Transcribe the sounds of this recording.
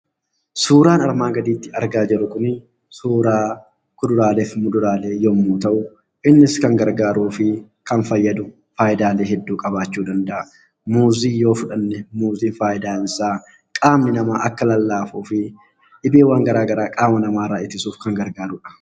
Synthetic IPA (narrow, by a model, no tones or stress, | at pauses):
suːɾaːnɐɾmaːɡɐd̪iːt̪ːɪɐɾɡaːd͡ʒɛɾʊkʊn | suːɾaː | kʊd̪ʊɾaːleːfmʊd̪ʊɾaːle̞ːjoːmuːt̪ɐʔʊ | ʔɪnːɪskɐŋɡɐɾɡaːɾuːfɪ | kɐnfɐjːɐd̪ʊ | faːʔɪd̪aːleːɦɛd̪ːuːkʼɐbaːt͡ʃːuːd̪ɐnd̪ɐʔɐ | muːziːjo̞ːfʊᶑɐnːɛmuːziːnfaːʔɪd̪aːɪnsaː | kʼaːmnɪnɐmaːʔɐkːɐlɐlːaːfuːfɪ | ᶑɪbeːwaːŋɡɐɾaːɡɐɾaːkʼaːmɐnɐmaːɾaːʔɪt̪ːɪsuːfkɐŋɡɐɾɡaːɾʊᶑɐ̥